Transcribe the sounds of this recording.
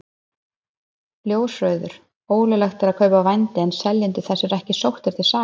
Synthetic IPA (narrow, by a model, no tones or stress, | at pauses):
ljoːwsrœːɥðʏɾ̥ | oːwlʏlɛxt̪ɛɾaðkʰœɥpavajnt̪ɪɛnsɛljɪnt̪ɪθɛsːɪɾɛhcɪsowht̪ɪɾ̥t̪ʰɪlsaː